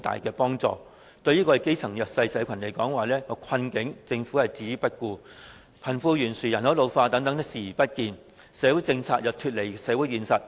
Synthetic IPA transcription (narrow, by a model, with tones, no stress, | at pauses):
t̪a̰ː˨jkɛː˧pɔː˥ŋt͡sɔ̰ː˨ | t̪ɵ˧ɥjiː˥kɔː˧ɛ˨˩ke˥jt͡sʰɐ˨˩ŋjœː˨k̚sɐ˧jsɛ˨˥kʷʰɐ˨˩nle˨˩jkɔː˨˥ŋwaː˨˩lɛː˥ŋɔː˧kʰɐ˧nkɪ˨˧˥ŋt͡sɪ˧ŋfu˨˥hɐ˨jt͡siː˨˥jpɐ˥t̚kuː˧ | pʰɐ˨˩nfuː˧jyː˨˩nsyː˨˩jɐ˨˩nhɐ˨˥wlo˨˧wfaː˧t̪ɐ˨˥ŋt̪ɐ˨˥ŋt̪ɪ˥ksiː˨˩˨pɐ˥t̚kiː˧n | sɛː˨˥wu˨˥jt͡sɪ˧ŋt͡sʰaː˧k̚jɐ˨wt̪ʰyː˧t̚le˨˩sɛː˨˧˥wu˨˥jiː˨˧nsɐ˨t̚